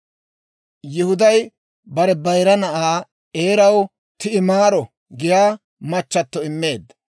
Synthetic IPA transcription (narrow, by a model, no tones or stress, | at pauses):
jɪhʊd̪ɐj | bɐɾɛbɐjɾɐnɐʔaː | eːɾɐw | t̪ɪɪmaːɾɔ | ɡɪjaː | mɐt͡ʃːɐt̪ːɔɪmːe̞ːd̪ːɐ